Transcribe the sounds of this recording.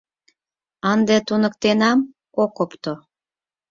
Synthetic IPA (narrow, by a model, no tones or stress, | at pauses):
ɑnd̪et̪unə̆kt̪enɑm | kokopt̪o